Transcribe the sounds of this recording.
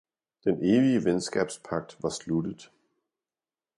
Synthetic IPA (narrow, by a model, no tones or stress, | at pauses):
d̥ene̝ːʋiəʋensɡ̥ɛ̰ːb̥spʰɑ̈ɡ̥̚d̥ʋɑ̈slud̥əðˠ